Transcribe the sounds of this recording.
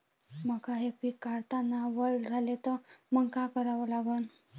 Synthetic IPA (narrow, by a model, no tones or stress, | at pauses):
məkaɦepikaɾt̪anːaʋəld͡zʱalet̪əməŋkakəɾaʋəlaɡun